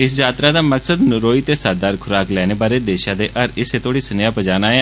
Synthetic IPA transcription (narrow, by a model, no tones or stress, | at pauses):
ɪsd͡ʒaːt̪ɾaːd̪aːməksəd̪nɾoːiːt̪eːsaːɾd̪aːɾkʰʊɾaːklɛːneːbaːɾeːd̪eːʃãːd̪eːʔəɾɪseːt̪ʰoːɽiːsənjaːpəd͡ʒaːnaːe